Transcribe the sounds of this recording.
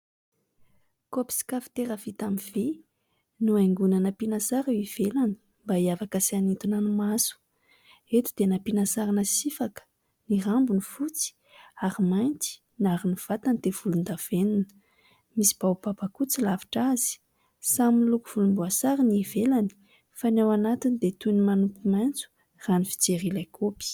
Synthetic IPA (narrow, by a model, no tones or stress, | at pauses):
kopi̥si̥kafi̥t̪eɾəvit̪amive | nuajŋɡunanəpinasaɾiv̥elani̥ | mbaiavakəsianint̪unanumasu̥ | et̪u̥d̪̥enapinasaɾanəsifakə̥ | nirambunifut͡si̥ | aɾimajnt̪i̥ | naɾiniv̥at̪anid̪ev̥ulund̪av̥eninə | misi̥b̥awb̥abakut͡silavi̥ʈ͡ʂaz̥i̥ | saminlukuv̥ulumbuasaɾiniivelani̥ | fanawanat̪inid̪et̪unimanukumajnt͡su̥ | ranifi̥t͡seɾilakʰopi̥